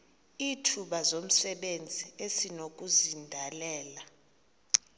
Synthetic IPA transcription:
itʰuɓazom̩sɛɓend͡zʱiesinok̬ʼuzindʱalɛːla

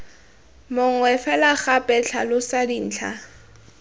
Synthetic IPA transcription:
mʊŋ̩wɛfɛlaχapʼɛɬʰalʊsadin̩ːt͡ɬʰa̰

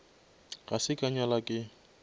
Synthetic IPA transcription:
ɣasɪkʼaɲalakʼɪ

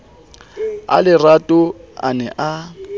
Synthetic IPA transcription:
a̰lɪratʼʊa̰nɛʔa

